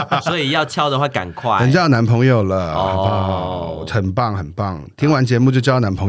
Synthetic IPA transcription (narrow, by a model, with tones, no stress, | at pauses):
sɔ˧˥i˨˩jɑ˥˨ʊt͡ɕʰjɑ˦˥ʊd̪ə˨xwa˥˩ka̰˨˩nkʰwa˥˩ɪə˨˩nt͡ɕjʊna˧˦˥npʰɤ˧˥ŋjo˨˩ʊlə˨a˨˧˥xə˨˩npɑ˥˩ŋxə˨˩npɑ˥˩ŋt̪ʰi˥ŋwa˧˦nt͡ɕjɛ˧˥mu˥˧t͡ɕjo˥˧ʊt͡ɕjɑ˥ʊna˧˦˥npʰɤ˧˦ŋ